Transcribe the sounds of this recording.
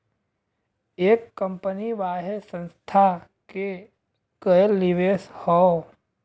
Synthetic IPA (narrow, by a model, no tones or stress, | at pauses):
eːkːə̃mpəniʋaːɦesə̃nst̪ʰake | kəelːiʋeshɔ